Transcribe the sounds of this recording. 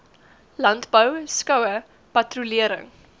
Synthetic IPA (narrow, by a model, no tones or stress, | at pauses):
lɐntbəwskɐwə | pɐtruliəɾə̰ŋ